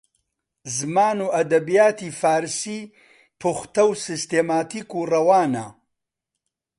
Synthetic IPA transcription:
zɨmaːnuːʔɐd̪ɐbijaːt̪iːfaːɾsiː | pʰuxt̪ɐwsɨst̪eːmaːt̪iːkuːrɐwaːna̰

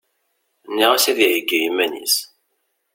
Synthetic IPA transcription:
nːiʁasiðiʕiɡːijimænḭs

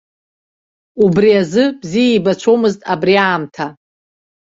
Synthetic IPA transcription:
ubriazɨbzijaibat͡ʃʷʰo̞mɨztʼabriaːmtʰa

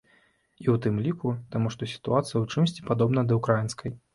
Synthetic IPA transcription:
iwt̪ɨmlʲikut̪amuʂt̪ɔsʲi̥t̪uat̪sɨjɐwt͡ʂɨmsʲt͡sʲi̥pad̪ɔbnɐd̪ɐukɾajinskɐj

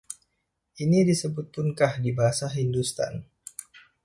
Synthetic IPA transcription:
ʔinidisəbut̪̚pʊnkahdibaɦasaɦindust̪a̰n

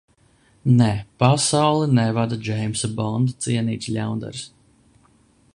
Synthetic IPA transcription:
nɛpasawlˠɛnɛvad̪ad͡ʒɛjmsabɔnd̪at̪siɛniːt̪slʲa̰wnd̪ɛ̰ɾs

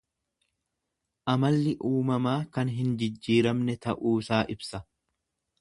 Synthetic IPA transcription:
ʔɐmɐlːɪʔuːmɐmaːkɐnɦɪnd͡ʒɪd͡ʒːiːɾɐmnɛt̪ɐʔuːsaːʔɪbsɐ

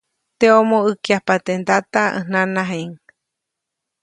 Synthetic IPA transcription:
t̪eõmõɨkiapat̪end̪at̪aḛnãnãɦeŋ

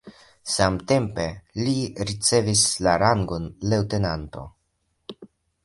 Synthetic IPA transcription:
samte̞mpe̞liɾit͡se̞vislaɾaŋɡo̞nlewte̞nanto̞̰

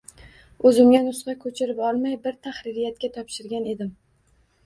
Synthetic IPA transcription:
ɵzɪmɡʲanʊsqɑkʰɵt͡ʃʰɪɾɪpɒlˠmajbɪɾt̪ʰaχɾɪɾɪjat̪̚kʲat̪ʰɒpʃɪɾɡʲane̞d̪ɪm

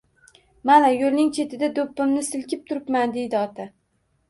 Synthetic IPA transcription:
manajolnɪŋt͡ʃʰe̞t̪ʰɪd̪ad̪opːɪmnɪsɪlkʲɪp̚t̪ʰʊɾɪpmand̪e̞jd̪ɪɒt̪ʰa

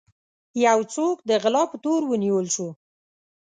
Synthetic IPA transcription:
jawt͡sok̚d̪əɣɪlɑpət̪oɾwəniwəlʃu

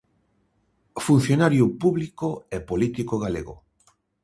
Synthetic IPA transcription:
fun̟θjonaɾjupuβlikoepolit̪ikoɣalḛɣo̰

